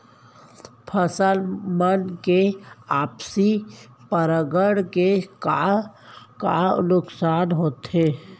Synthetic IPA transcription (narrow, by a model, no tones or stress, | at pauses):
pʰəsəlmənkeaːpsipəɾəɡəɽkeka | kanʊksaːnɦoːt̪ɦeː